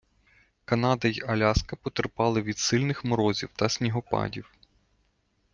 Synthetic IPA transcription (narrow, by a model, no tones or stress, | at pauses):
kɐnɑd̪ɐjiɐlʲɑskɐpɔt̪erpɑlˠɪʋʲid̪sɪlʲnɪxmɔɾɔzʲiwt̪ɐsʲnʲiɦɔpɑ̰dʲiw